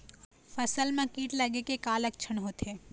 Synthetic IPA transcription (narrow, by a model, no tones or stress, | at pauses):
fɐsəlmẽkiːʈlɐɡekekaːlɐkt͡ʃʰənɦoːt̪eː